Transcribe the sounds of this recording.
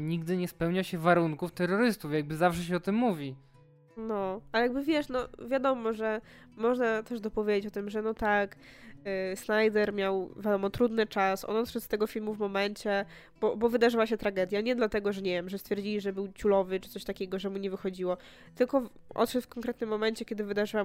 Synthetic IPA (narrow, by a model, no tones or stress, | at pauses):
ɲiɡd̪ɘɲɛspɛwɲaɕɛvaɾuŋkuft̪ɛɾːɔɾɘst̪ufjaɡ̚bɘzafʂɛɕɛɔt̪ɘmːuvʲi | nɔalɛjaɡ̚bɘvʲjɛʂnɔvʲjad̪ɔmɔʐɛ | mɔʐnat̪ɛʐd̪ɔpɔvʲjed͡ʑet͡ɕɔt̪ɘmʐɛnɔt̪ak | snajd̪ɛɾmʲjawvʲjad̪ɔmɔt̪ɾud̪nɘt͡ʂasɔ̰nɔt̪ʂɛt̪st̪ɛɡɔfʲilmuvmɔmɛnt͡ɕɛ | b̥ɔbɔvɘd̪aʐɘwaɕɛt̪ɾaɡɛd̪ʲjaɲɛd̪lat̪ɛɡɔʐɛɲɛvʲjɛmʐɛst̪fʲɛɾd͡ʑilʲiʐɛbɘwt͡ɕulɔvɘt͡ʂɘt̪sɔɕt̪akʲɛɡɔʐɛmuɲɛvɘxɔd͡ʑiwɔ | t̪ɘlkɔ | ʔɔ̰t̪ʂɛt̪fkɔŋkɾɛt̪nɘmːɔmɛnt͡ɕɛkʲɛd̪ɘvɘd̪aʐɘwam